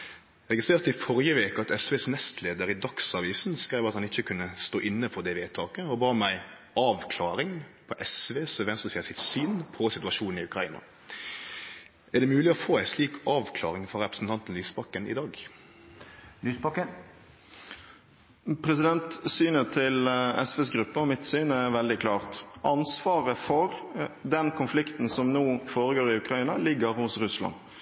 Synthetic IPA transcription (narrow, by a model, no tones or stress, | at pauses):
ʁɛɡɪst̪eːʁt̪ɪfɔɾjəʋeːkəɑt̪ɛsʋeːsnɛst̪ʰleːd̪əɾɪd̪ɑksɑʋiːsn̩skɾæɪʋɑt̪hɑnɪçːəkʰʉnːəst̪oːʔɪnːəfɔd̪ɛʋeːt̪ʰɑːkəɔbɑːmæɪ | ɑːʋkʰlɑːɾɪŋpʰɔʔɛsʋeːsʋɛnst̪ʁəsɛːəsɪt̪syːnpʰɔsɪt̪ʉɑʃuːnnɪʉkɾɑḭːnɑ̰ | ʔæʁɖ̪ɛmʉːlɪɔfoːæɪsliːkʰɑːʋkʰlɑ̰ːʁɪŋfɔɾɛpɾəsn̩t̪ɑnt̪n̩lyːspɑkːənʔɪ̰d̪ɑːɡ | lyːsbɑkːən | pʰɾɛsɪd̪ɛnt̪syːnət̪ʰɪlɛ̰sʋeːsɡʁʉpːəɔmɪt̪syːnæɾʋɛld̪ɪkʰlɑːʁt̪ʔɑnsʋɑːɾəfɔɾd̪ɛnkʰʊnflɪkt̪n̩sɔmnuːfoːɾəɡoːɾɪʉkɾɑiːnɑlɪɡːəɾhʊsʁʉslɑ̰n